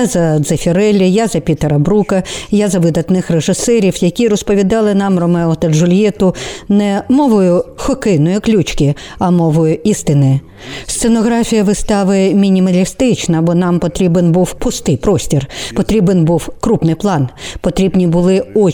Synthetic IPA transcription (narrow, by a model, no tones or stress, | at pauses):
jzɐd̪zɐfʲiɾɛlʲɪjazɐpʲit̪eɾɐbɾukɐjazɐʋɪd̪ɐt̪nɪxreʒɪsɛɾʲiwjɐkʲiɾɔspɔʋʲid̪ɑlˠɪnɑmrɔmɛɔt̪ɐʒʊlʲjɛt̪ʊnɛmɔʋɔjʊxɔkɪnɔjʊklʲut͡ʃkʲɪ | ɐmɔʋɔjʊist̪ɪnɪj | st̪senɔɣɾɑfʲijɐʋɪst̪ɑʋɪmʲinʲimɐlʲist̪ɪt͡ʃnɐbɔnɑmpɔt̪ɾʲibenbuwpʊst̪ɪjpɾɔsʲtʲirpɔt̪ɾʲibenbuwkɾupnɪjplˠɑnpɔt̪ɾʲibnʲibʊlˠɪɔ